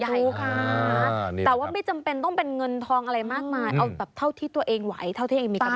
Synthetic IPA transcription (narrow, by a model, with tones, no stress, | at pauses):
kʰa˧˩˧ | t̪ɛː˨˩waː˥˩ma˥˩jt͡ɕa˧mpe˧nt̪ɔ˥˩ŋpe˧nŋɤ˧nt̪ʰɔː˧ŋʔa˧ɾa˧jmaː˥˩k̚maː˧jʔa˧wbaː˨˩p̚t̪ʰa˥˩wt̪ʰiː˥˩t̪u˧ɐʔeː˧ŋwa˩˦jt̪ʰa˥˩t̪ʰiː˥˩ʔeː˧miː˧˥